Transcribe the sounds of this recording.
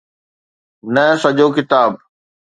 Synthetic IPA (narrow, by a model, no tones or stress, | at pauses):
nɐsɐʄoːkɪt̪aːb̚